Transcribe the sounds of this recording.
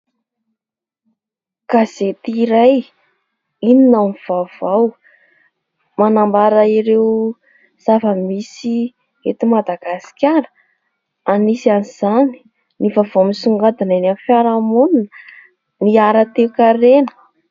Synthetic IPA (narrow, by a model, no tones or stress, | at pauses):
kaz̥et̪iɾaj | ininamiv̥avaw | manambaɾəiɾew | z̥avəmisi | et̪imad̪aɡasi̥kʲaɾə̥ | anisaniz̥ani̥ | nivavomisuŋɡad̪ananamfaɾamuninə | miaɾət̪ewkaɾenə̥